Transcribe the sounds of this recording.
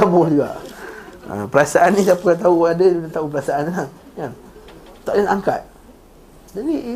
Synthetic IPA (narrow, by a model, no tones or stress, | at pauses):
abʊld͡ʒuɡa̰ʔ | a̰pəɾasaʔannĩsapakat̪̬auadaunat̪aup̬əɾasaʔanilah | kant̪aʔdanaŋka̰t̪̚ | d͡ʒadi